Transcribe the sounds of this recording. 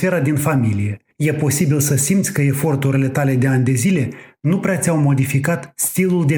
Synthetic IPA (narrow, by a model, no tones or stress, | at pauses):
fe̞ɾad̪infamilije̞ | je̞po̞sibilsəsimt̪sʲkəe̞fo̞rt̪uɾile̞t̪ale̞d̪e̞anʲd̪e̞zile̞nupɾeat̪sʲawmo̞d̪ifikat̪st̪iluld̪e̞